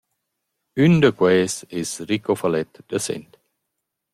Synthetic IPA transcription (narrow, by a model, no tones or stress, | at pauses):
yndəkwɛːsɪsrikofalɛt̪d̥əsɛ̰nt